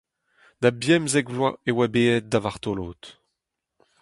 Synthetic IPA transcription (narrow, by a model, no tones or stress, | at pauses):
d̪̥abjɛmzɛɡvlwaewabeːɛt̪̚d̪avaʁt̪oloːt̪